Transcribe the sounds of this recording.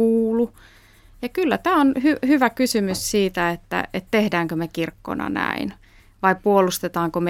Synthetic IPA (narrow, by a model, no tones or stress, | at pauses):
uːlu | jɑkylːæt̪æːonhyhyʋækysymyssiːt̪æet̪ːæ̰et̪t̪ehdæːŋkømekirkːo̰nɑ̰næ̰in | ʋɑipuolust̪et̪ɑːŋkome